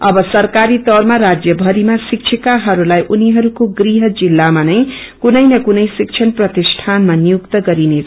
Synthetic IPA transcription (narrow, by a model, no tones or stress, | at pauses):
ʌbʌsʌrkaɾit̪ʌɾmaɾad͡zjʌbʱʌɾimasik̚t͡sʰikaɦʌɾulajʔuniɦʌɾukoɡriɦʌd͡zilːamanʌj | kunʌjnʌkunʌjsik̚t͡ʃʰʌnprʌt̪isʈʰanmanijuk̚t̪ʌɡʌɾinet͡sʰ